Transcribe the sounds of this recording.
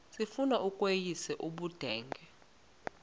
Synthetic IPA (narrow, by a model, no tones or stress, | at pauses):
sifunaʔukʼwejisɛʔuɓud̥ʱɛːŋɡʱɛ